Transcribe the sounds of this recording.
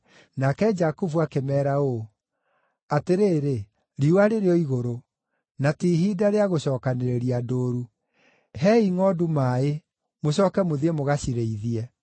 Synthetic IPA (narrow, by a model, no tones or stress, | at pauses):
nakɛd͡ʒakuvuakemɛːɾao | ateɾeːɾe | ɾiwaɾeɾeɔiɣoɾo | natiɦidaɾeaɣoɕɔːkaneɾeɾiadoːɾu | ɦɛiŋɔdumae | moɕɔːkɛmoðiemoɣaɕiɾeiðiɛ